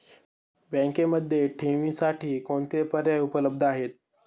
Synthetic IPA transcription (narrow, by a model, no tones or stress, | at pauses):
bɛ̃ŋkeməd̪ʱːjeʈʰeʋisaʈʰiːkoɳt̪epəɾjaupələb̚d̪ʱəaɦet̪̚